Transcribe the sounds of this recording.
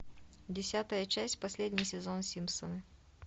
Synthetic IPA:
dʲɪsʲat̪əjət͡ɕæsʲtʲpɐsʲlʲedʲnʲɪjsʲɪzonsʲimsənə

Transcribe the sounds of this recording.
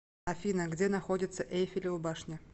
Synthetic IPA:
ɐfʲinəɡdʲenɐxodʲɪt̪səʔejfʲɪlʲɪʊbaʂnʲɪ

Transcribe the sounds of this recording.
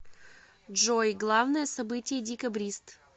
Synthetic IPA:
ʐojɡlˠavnəjəsɐbɨtʲɪjədʲɪkɐbɾʲist̪

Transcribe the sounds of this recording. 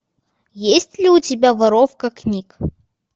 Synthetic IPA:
jesʲtʲlʲɪʊtʲɪbʲavɐɾofkəknʲik

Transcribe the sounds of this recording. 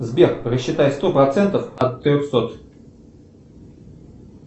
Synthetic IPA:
zbʲerrəɕːɪt̪ajɪt̪st̪o̞pɾɐt̪sɛnt̪əfɐt̪ːɾʲoxsot̪

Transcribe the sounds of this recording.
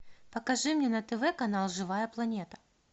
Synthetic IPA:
pɐkɐʐɨmnʲenɐt̪ɛvɛkɐnalˠʐɨvajɐplˠɐnʲet̪ɐ̥

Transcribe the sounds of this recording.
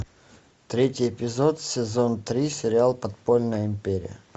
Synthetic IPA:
t̪ɾʲetʲjepʲɪzot̪sʲɪzont̪ɾʲisʲɪɾʲɪalˠpɐt̪polʲnəjəɪmpʲeɾʲɪ̰jə̰

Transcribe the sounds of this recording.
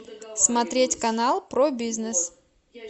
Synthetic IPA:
smɐt̪ɾʲetʲkɐnalˠpɾobʲiznɨs

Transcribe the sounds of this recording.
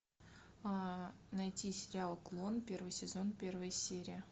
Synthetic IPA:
anɐjtʲisʲɪɾʲɪalˠklˠo̞npʲe̞rvɨjsʲɪzo̞npʲe̞rvəjəsʲeɾʲɪjə

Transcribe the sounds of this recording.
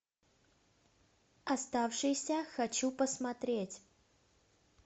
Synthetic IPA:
ɐst̪afʂɨjsʲəxɐt͡ɕupəsmɐt̪ɾʲetʲ

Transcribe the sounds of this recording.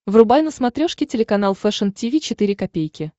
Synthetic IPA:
vrʊbajʲnəsmɐt̪ɾʲoʂkʲɪtʲɪlʲɪkɐnalˠfɛʂəntʲɪvʲit͡ɕɪt̪ɨɾʲɪkɐpʲejkʲɪ

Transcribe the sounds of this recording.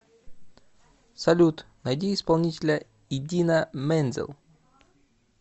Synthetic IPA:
sɐlʲut̪nɐjdʲiːspɐlˠnʲitʲɪlʲə | ɪdʲinəmɛnʲzʲɪ̰lˠ

